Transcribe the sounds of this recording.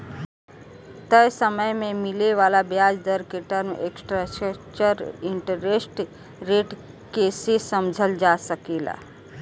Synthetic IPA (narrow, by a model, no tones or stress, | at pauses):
t̪əjsəməjmemileʋalabjad͡ʒd̪əɾkeʈəɾmḛksʈɾəst͡ʃəɾiɳʈəɾesʈ | ɾeʈ | kesesəmd͡ʒʱəld͡ʒasəkela̰